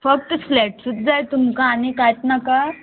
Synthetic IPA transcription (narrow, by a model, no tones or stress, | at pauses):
fək̚t̪əslɛʈsut̪̚d͡zajt̪umkaːnekajt̪naka